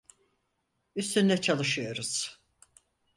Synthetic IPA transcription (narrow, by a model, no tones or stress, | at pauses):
yst̪ynlʲɛt͡ʃʰalˠɯʃɯjo̞ɾuz̥